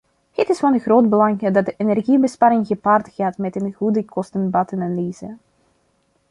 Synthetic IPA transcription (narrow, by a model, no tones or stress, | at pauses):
hɪtɪsfɑnəɣroːdbəlɑŋdɑt̚dəʔenɛrɣibəspaːɾɪŋɣəpaːrtɣaːtmɛtənɣudəkʰɔstənbɑtənaliːzə